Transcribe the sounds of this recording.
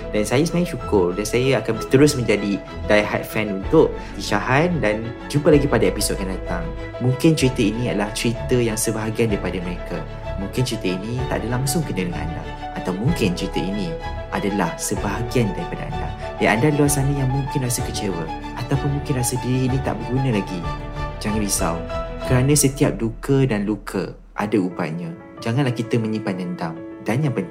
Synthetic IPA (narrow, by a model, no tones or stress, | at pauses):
dansajasəmãĩt͡ʃukʊrdansajaakant̪əɾʊsmə̃ɲd͡ʒadi | dajɦa̰t̪̚fɛnunt̪ʊʔ | t̪iʃaɦandan | d͡ʒumpəlaɡipadaepisɔd̚kandat̪aŋ | mũŋkɪnt͡ʃəɾit̪əinĩadalaht͡ʃɾit̪əjaŋsəbaɦaɡiandaɾipadamə̃ɾeka | mũŋkɪnt͡ʃɾit̪əinit̪a̰ʔdalaŋsʊŋkənələŋa̰nda̰ː | t̪awmũŋkɪnt͡ʃɾit̪əinĩ | ʔadalahsəbaɦaɡiandaɾipadaa̰nda̰ | daandaluasanəjaŋmũŋkɪnɾasəkət͡ʃewə | at̪awpʊnmũŋkɪnrɾasədiɾiːnit̪a̰ʔbəɡunəlaɡid͡ʒaŋãnbisa̰wnkəɾanə̃sət̪iap̚dukədanlukʰə̰ | ʔa̰dauba̰ʔ̪̚ɲã | d͡ʒaŋãnlahkit̪əmə̃ɲĩpadənt̪aŋdanjaŋpənt̪